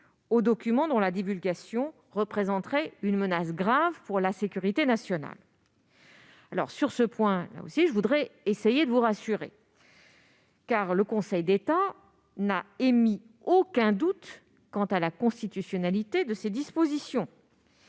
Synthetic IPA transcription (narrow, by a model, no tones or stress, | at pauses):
od̪ɔkʲymɑ̃d̪ɔ̃lad̪ivylɡʲasjɔ̃ | ʁəpχezɑ̃t̪χɛynmənasɡʁavpuʁlasekʲyʁit̪enasjɔna̰l | alɔ̰ʁsyʁsəpwɛ̃la̰o̰siʒəvud̪ʁɛesejed̪əvuʁasyʁḛ | kaʁləkɔ̃sɛjd̪et̪a | naemi | okʲɛ̃d̪ut̪ | kɑ̃t̪alakɔ̃st̪it̪ysjɔnalit̪ed̪əsed̪ispozisjɔ̃